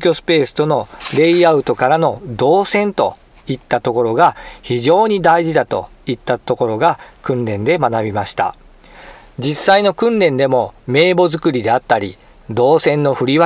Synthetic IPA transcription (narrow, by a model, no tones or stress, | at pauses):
kʲo̞sɨ̥pe̞ːsɨ̥t̪o̞no̞ɾe̞iaɯ̟t̪o̞kaɾano̞d̪o̞ːsẽ̞nt̪o̞ | it̪ːat̪o̞ko̞ɾo̞ɡaçiʑo̞ːɲ̟id̪aiʑid̪at̪o̞̰ | it̪ːat̪o̞ko̞ɾo̞ɡakɯ̟̃nɾẽ̞nd̪e̞manabʲimaɕi̥t̪a̰ | d͡ʑisːaino̞kɯ̟̃nɾẽ̞nd̪e̞mo̞me̞ːbo̞zɨkɯ̟ɾʲid̪e̞at̪ːaɾʲi | d̪o̞ːsẽ̞nːo̞ɸɯ̟ɾʲiβa